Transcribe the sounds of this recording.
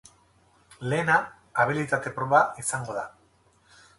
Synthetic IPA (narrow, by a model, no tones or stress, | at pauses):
le̞ːnaː | βilit̪at̪e̞pɾo̞βaisaŋɡo̞ða